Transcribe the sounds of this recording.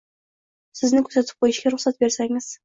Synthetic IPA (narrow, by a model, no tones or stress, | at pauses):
sɪ̆znɪkʲʰɵ̥ɾsæt̪ʰɪ̥p̚qojɪʃɡʲeɾʊχsat̪̚beɾsæŋɪz̥